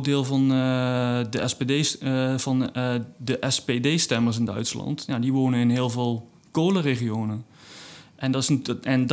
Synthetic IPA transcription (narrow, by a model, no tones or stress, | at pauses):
dɪːlˠvɑn | dəɛspedejv̥ɑndəʔɛspedeːjstɛməɹs̬ɪndœ̰ɥtslɑ̰ntjadiʋoːnənɪnɦɪːlˠvɪlˠ | koːləreχijoːnən | ʔɛndɪɛn